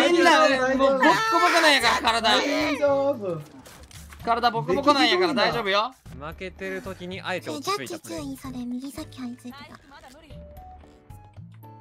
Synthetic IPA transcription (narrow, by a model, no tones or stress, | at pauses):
enamobokːɯbokonãɰ̃jakaɾakaɾad̪aob | kaɾad̪abo̞kːɯbokonãɰ̃jakaɾad̪aiʑo̞ːbɯ̟jomake̞t̪e̞ɾɯ̟t̪o̞kʲiɲ̟iʔaet̪et͡ɕakʲːit͡ɕɨːĩsad̪emʲiɡʲisakʲːiaɲ̟it͡sɨit̪et̪a